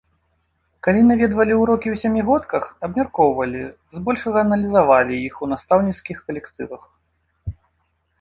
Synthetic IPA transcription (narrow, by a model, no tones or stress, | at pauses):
kalʲinavʲɛd̪vɐlʲiwɾɔkʲiwsʲamʲiɣɔt̪kɐxɐbmʲarkɔwvɐlʲi | zbɔlʲʂɐɣɐːnɐlʲizavalʲijixunast̪awnʲit̪skʲixkɐlʲɛkt̪ɨvɐx